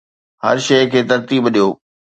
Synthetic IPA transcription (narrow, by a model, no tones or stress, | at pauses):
hɐ̰ɾʃɐɪkʰeːt̪ɐɾt̪iːbɗijoː